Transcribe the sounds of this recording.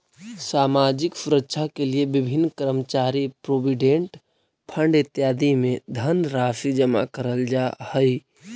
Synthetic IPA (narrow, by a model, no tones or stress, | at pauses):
samad͡ʒɪksuɾətːʃʰakeliebɪbʱinːkəɾmət͡ʃaɾipɾobiɖẽɳʈ | pʰəɳɖɪt̪jad̪imẽd̪ʱənɾasid͡ʒəma̰kəɾəld͡ʒahəj